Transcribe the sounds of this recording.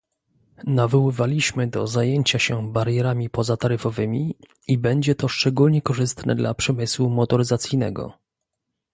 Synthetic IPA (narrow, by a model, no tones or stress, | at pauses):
navɔwɘvalʲiɕmɘd̪ɔzajeɲt͡ɕaɕɛbaɾjɛɾamʲipɔzat̪aɾɘfɔvɘmʲi | ibɛɲd͡ʑɛt̪ɔʂt͡ʂɛɡulɲɛkɔʐɘst̪nʔɛ̰d̪lʔapʂɛmɘswumɔt̪ɔɾɘzat̪sʲjijnɛ̰ɡɔ̰